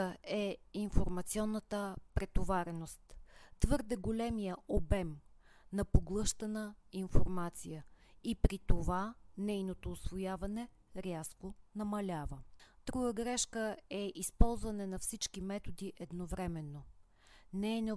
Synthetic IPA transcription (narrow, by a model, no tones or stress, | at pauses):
ɛinfoɾmɐt̪siɔnːət̪əpɾɛt̪ovaɾɛnost̪t̪vɤɾd̪ɛɡolɛmijəʔobɛmnɐpoɡlˠɤʃt̪ənəinfoɾmat̪sijəipɾit̪ovanɛjnot̪oːsvojavɐnɛ | ɾʲaskonɐmɐlʲavəd̪̥ɾuɡəɡɾɛʃkəɛʔispɔlˠzvɐnɛnɐfsit͡ʃkimɛt̪od̪iʔɛd̪novɾɛmɛnːo | nɛɛnɛ